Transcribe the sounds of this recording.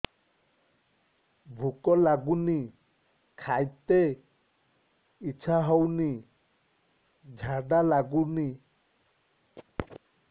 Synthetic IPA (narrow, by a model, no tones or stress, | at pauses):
bʱukɔlaɡuni | kʰajt̪e | it͡ʃʰaɦɔwni | d͡ʒʱaɖalaɡuni